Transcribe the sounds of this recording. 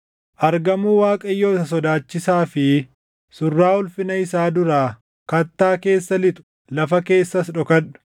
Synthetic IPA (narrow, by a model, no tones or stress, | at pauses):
ʔɐɾɡɐmuːwaːkʼɐɪjːoːɪt̪ɐs̬ɔd̪aːt͡ʃːɪsaːfɪ | sʊrːaːʊlfɪnɐɪsaːd̪ʊɾaː | kɐt̪ːaːke̞ːsːɐlɪt̪ʊ̥ | lɐfɐke̞ːsːɐsᶑɔkɐᶑʊ̥